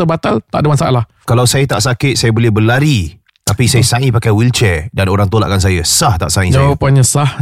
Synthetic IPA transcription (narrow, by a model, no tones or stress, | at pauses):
əbat̪alt̪a̰ʔdəmansaʔalah | kalawsajat̪aʔsakɪt̪̚sajəbolɛhbəlaɾi | t̪apisajəsaŋĩpakajwilt͡ʃɛdanoɾaŋt̪ola̰ʔkans̬ajəsaht̪a̰ʔsaĩd͡ʒawapanɲãsah